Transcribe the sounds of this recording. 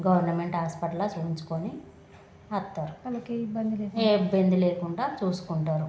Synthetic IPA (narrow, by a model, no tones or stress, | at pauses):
ɡɐʋɐɾnɐme̞ɳʈɦaːspɐʈlat͡ʃuːiɲt͡ʃu̥koni | ɐt̪ːaːɾulɐkːibɐnd̪ileːkeːibːɐnd̪ileːkuɳɖaːt͡ʃuːsu̥kuɳʈaːɾu